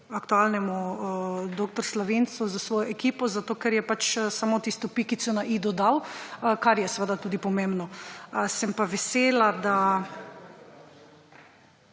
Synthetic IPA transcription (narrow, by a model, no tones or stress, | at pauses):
akt̪ualnɛmu | d̪oːk̚t̪ɔɾslɔʋensuzasʋoːjɔʔɛkipɔzat̪oːkɛɾjɛpat͡ʃsamoːt̪ist̪ɔpikit̪sɔnaʔid̪ɔd̪awkaɾjɛsʋəd̪at̪uːd̪ipɔmembnɔəsɛmpaʋɛseːlad̪a